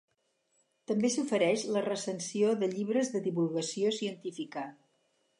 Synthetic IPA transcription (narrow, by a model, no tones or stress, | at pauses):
t̪əmbesufəɾɛʃlərəsənsioðəʎiβɾəzðəðiβulˠɣəsiosiənt̪ifikə